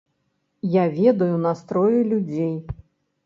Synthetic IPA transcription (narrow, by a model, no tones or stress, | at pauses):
javʲɛd̪ɐjunast̪ɾɔjulʲud͡zʲej